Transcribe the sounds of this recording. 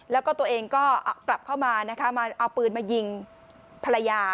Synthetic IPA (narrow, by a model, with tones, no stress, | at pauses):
lɛː˦˥wkɔː˥˩t̪u˧əʔeː˧ŋkɔː˥˩kla˨˩p̚kʰa˥˩wmaː˧na˦˥kʰa˦˥maː˧ʔa˧wpɯː˧nmaː˧ji˧ŋ | pʰa˧la˧jaː˧